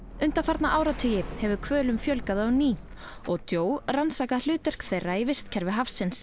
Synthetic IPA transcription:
ʏn̥t̪afaɾt̪naʔaːwɾat̪ʰʏːjɪhɛvʏkʰvœːlʏmfjœlkaðawniː | ɔɣt̪joːwransaːkal̥ʏːt̪ɛr̥kθejrːaivɪst̪cʰɛɾvɪɦafsɪns

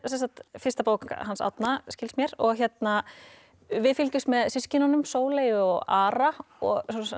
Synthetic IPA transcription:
sɛnsat̪fɪst̪apoːwkakhansa̰wt̪nascɪlsmjɛɾɔɣçjɛt̪na | vɪðfɪlcʏst̪mɛðsɪscɪnanʏmsoːwleːjʏɔɣaːɾaɔɣs

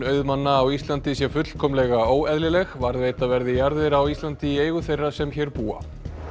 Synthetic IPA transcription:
œːɥðmanːaːwist̪lant̪ɪsjɛfʏt̪l̥kʰɔmlɛɣaoːwɛðlɪlɛɣvaɾðveːjt̪avɛɾðɪjaɾðɪɾawist̪lant̪ɪieːjɣʏθejrːasɛmçɛɾpuːa̰

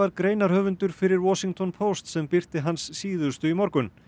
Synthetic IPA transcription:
aɾkɾeːjnaɾ̥hœːvʏnt̪ʏɾ̥fɪɾɪɾwɔsiŋt̪ʰɔnpʰowst̪sɛmpɪr̥t̪ɪɦansːiːðʏst̪ʏimɔɾkʏn

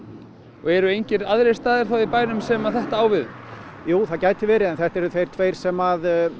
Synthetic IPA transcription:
ɔ̰ɣɛɾʏejɲcɪɾaðɾejst̪aːðɪ̥θawipaːjɾʏmsɛmaðθɛht̪aaːwvɪð | juːθaðcaːjt̪ɪvɛːɾɪðɛnθɛht̪ɛɾʏθejɾ̥t̪ʰvejɾ̥sɛmað

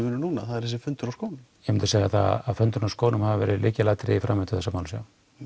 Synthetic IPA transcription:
mɪːnɪnuːnaθaðɛɾhɛs̬ɪfʏnt̪ʏɾawskoːwnɪmjɛmɪnt̪ʏseːjaθa̰aðfœnt̪ʏnawskoːwnʏmhavavɛ̰ːɾɪlʔɪːcɪlaːt̪ɾɪifɾʔamɛt̪ʏ̥θɛsːamaːwlsja̰w

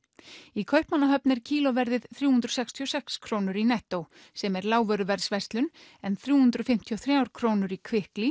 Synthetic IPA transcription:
ikʰœɥhpmanːaɦœpnɛɾ̥cʰiːlɔvɛɾðɪðθɾjuːhʉnt̪ɾɔ̥sɛkst̪ʰiɔsɛkskʰɾoːwnʏɾinɛht̪ow | sɛmɛɾlaːwvœɾʏvɛɾsvɛst̪lʏnɛnθɾjuːhʉnt̪ɾʏfɪm̥t̪ʰiɔθɾjaːwɾ̥kʰɾoːwnʏɾikʰvɪhkli

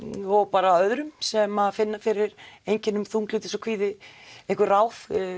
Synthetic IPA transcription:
ɔɣpaːɾaœðɾʏmsɛmaðfɪnːafɪɾɪɾejɲcɪnːʏmθuŋklʏːt̪ɪsɔkʰviːðɪehkvʏraːwf

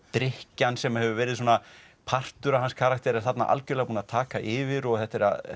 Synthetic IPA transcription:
t̪ɾɪhcansɛmahɛvʏvɛːɾɪðs̬oːna | pʰar̥t̪ʏɾaɦanskʰaːɾak̚t̪ɛɾaθat̪na̰ʔa̰lcʏɾlɛɣapuːnat̪ʰaːkaʔɪːvɪɾɔɣθɛht̪ɛɾa̰ð

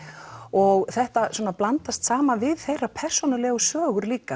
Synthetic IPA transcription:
ɔɣθɛht̪aswɔːnaplant̪ast̪saːmanvɪðθejrapʰɛr̥sɔnalɛɣʏsvœːɣʏɾliːka

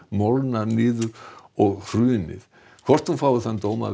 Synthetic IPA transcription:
mɔlnaɾnɪːðʏɾɔɣfɾʏːnɪ̰ð | kʰvɔr̥t̪humfaːwvʏɾθant̪oːwma̰

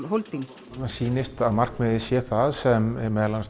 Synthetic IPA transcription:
ɦowlt̪iŋk | asiːnɪst̪aðmar̥kmɪðɪsjɛθaðsɛmɛ̰ɾmɛːðlans

